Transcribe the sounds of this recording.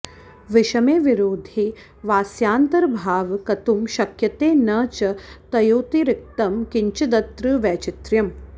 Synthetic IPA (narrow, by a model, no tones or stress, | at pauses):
ʋɪʃɐmeːʋɪɾoːd̪ʱi | ʋaːsjaːnt̪ɐɾbʱaːʋkɐt̪umʃɐkjɐt̪eːnɐt͡ʃɐt̪ɐjoːt̪iɾɪk̚t̪ɐmkɪɲt͡ʃɐd̪ɐt̪ɾɨʋɛːt͡ʃɪt̪ɾjɐm